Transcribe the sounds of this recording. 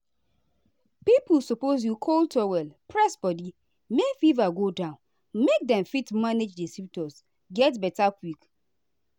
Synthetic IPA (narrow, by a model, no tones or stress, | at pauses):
piplsopoz̬jukʰoltʰɔwɛlpʰɹɛsbɔdi | mefivaɡodãʊ̃n | mek̚dɛ̃mfitmaned͡ʒdisip̚tɔs | ɡɛtbɛtakʰwik